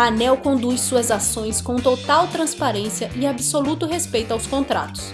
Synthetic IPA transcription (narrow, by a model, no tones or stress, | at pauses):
anɛwkõd̪ujssuɐzasõj̃skõw̃t̪ot̪awt̪ɾɐ̃spaɾẽsiɐʔɪabɪsolut̪ʊɦespejt̪ʊawskõnt̪ɾa̰t̪ʊ̥s